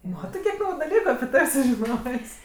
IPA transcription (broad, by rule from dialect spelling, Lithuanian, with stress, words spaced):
ˈmɑːtɜ kʲiɛk ˈnɐʊjʊ dɐˈlʲiːkʊ ɐpʲɪ ˈtɐw sʊʒʲɪˈnoːsʲ